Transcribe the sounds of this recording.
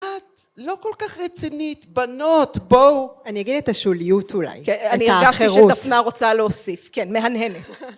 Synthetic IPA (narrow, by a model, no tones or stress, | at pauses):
at̪ | lo̞kolkaχʁet͡sinit̪banot̪bowaniaɡidetaʃulijutʰula̰jkeanieʁɡaʃteiʁeutatfnaʁo̞t͡saleosifkenme̞ɦanɦenet